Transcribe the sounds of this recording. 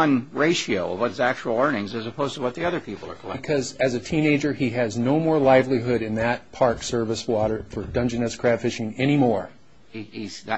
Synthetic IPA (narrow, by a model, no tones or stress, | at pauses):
ʌ̃nɹeɪʃioʊʌ̰vwʌtzæk̚t͡ʃuwl̩ˠɜ̃˞nɪ̃ŋzɨzɨpʰoʊz̥tʰəwʌt̪̚ðiʌðə˞pʰipl̩ˠə˞kʰlɛkʰʌzɨzɨtʰĩneɪd͡ʒə˞iɨznoʊmɔɹlaɪvliɦʊɾɨ̃nðɨt̚pʰɑɹksɜ˞vɨswɔɾə˞fə˞dʌ̃nd͡ʒɨ̃nɨskʰɹ̥æd̥fɪʃɪ̃ŋɛñimɔɹ | iizðɨ